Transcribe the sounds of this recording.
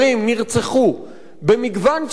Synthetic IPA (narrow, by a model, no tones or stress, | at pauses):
imːiʁt͡seχu | be̞miɡvanʃ